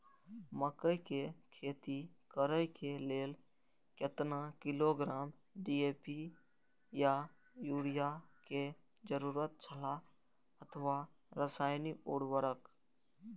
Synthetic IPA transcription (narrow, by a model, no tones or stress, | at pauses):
məkəjkekʰeːt̪ikəɾəjkeleːl | ket̪nakɪloɡɾaːm | ɖiepi | ja | juːɽijake | d͡ʒəɾuːɾət̪̚t͡ʃʰəla | ət̪ʰʋa | ɾəsaːjniuɽʋəɾək